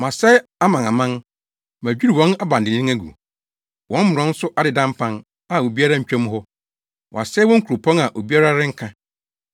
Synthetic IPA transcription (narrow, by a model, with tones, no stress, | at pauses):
mã˨sɛ˦a˦mã˨na˨mã˦n | mæ˨d͡ʑᶣu˦ɾi˨wɔ̃˦na˦bã˨n˨dɪ˨nĩ˦æ˦ɡṵ˨ | wɔ̃˦m̩˦mʊ˨ɾɔ̃˨˦n̩˦sʊ˦ʔa˦dɪ˨dã˦m˦pʰã˦n | a˨o˨bi˦a˦ɾa˦ɲ̩˨t͡ɕᶣɛ̃˦m̃˦ɦɔ˦ | wʔɔ̰̃˨a˨sɛ˦wɔ̃˦ŋ̩˦kʰu˨ɾo˨pʰɔ̃˦na˨ʔo˨bi˦a˦ɾa˦ɾɪ˦ŋ̩˦kʰã˦